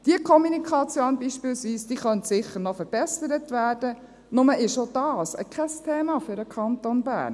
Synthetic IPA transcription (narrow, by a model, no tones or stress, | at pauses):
d̥iəkʰɔmunikʰɑt͡sjoːnbiːʃpɪːlsʋiːsd̥iːχœntsɪχəɾnɔfəɾb̥ɛsəɾətʋæːrd̥ə | nʊməʔɪʃod̥ɑːsə̰kʰɛstʰeːmɑfʏɾəkʰɑnt̪onbæ̰ːɾn